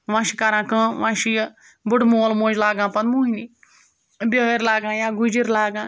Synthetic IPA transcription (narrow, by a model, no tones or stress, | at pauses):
ʋãːʃikɐɾãːkə̃ʋãːʃij | buʈmoːlmoːd͡ʒlaːɡãːpɐnmuːɦini | bʲəːiɾlaːɡãːjaɡud͡ʒiɾlaːɡãː